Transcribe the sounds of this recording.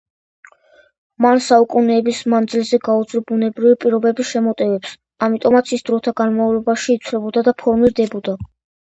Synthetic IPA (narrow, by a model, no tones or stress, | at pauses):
mansaukʼunɛːbismand̪zilzɛɡaud̪zlɔbunɛbɾivipʼiɾɔbɛbiʃɛmɔt̪ʼɛvɛps | amit̪ʼɔmat̪sʰisd̪ɾɔt̪ʰaɡanmavlɔbaʃiːt̪sʰlɛbɔd̪ad̪apʰɔɾmiɾd̪ɛbɔd̪a